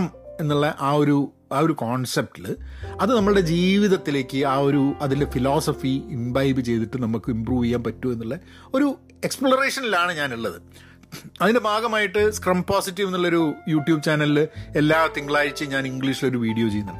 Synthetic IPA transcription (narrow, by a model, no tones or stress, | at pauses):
ɐme̞nːuɭːɐʔaːo̞ɾu | aːo̞ɾukoːɳsep̚ʈilɨɐðɨnɐmːɐɭɨɽe̞d͡ʑiːʋiðɐt̪ːile̞ːkʲːɨaːo̞ɾuɐðinde̞filoːsɐfiimbɐjbɨt͡ɕe̞jt̪iʈːɨnɐmːukːɨimpruːʋikːaːnpɐtːue̞nːuɭːɐ | o̞ɾu | e̞kspɭɐreːʂɐnilaːɳɨɲaːniɭːɐðɨ | ɐðinde̞bʱaːɡɐmaːjiʈːɨskrɐmpoːsitːiʋenːuɭːɐo̞ɾujuːʈjuːb̚t͡ɕaːnɐlile̞lːaːt̪iŋɡɐɭaːjiɾit͡ɕːɨɲaːniŋɡɭiʂiloɾuʋiːɽijo̞ːt͡ɕe̞jːunːuɭ